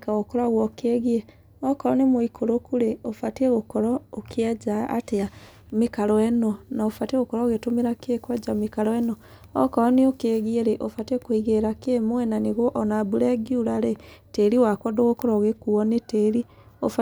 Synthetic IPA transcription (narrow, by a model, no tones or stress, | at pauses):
kaɣokɔɾaɣwɔkeɣie | ɔkɔɾɔnemoikʰoɾokuɾeofateɣokɔɾɔokʰead͡ʒa̰ːtea | mekaɾɔɛnɔnaofateɣokɔɾɔɣetomeɾakekwad͡ʒamekaɾɔɛnɔ | ɔ̰kɔɾɔneokeɣieɾeʔofatekoiɣeɾakemwɛnaneɣɔʔɔnaβuɾɛɡjuɾaɾeteɾiwakwɔdoɣokɔɾɔɣekuɔneteɾi | ofa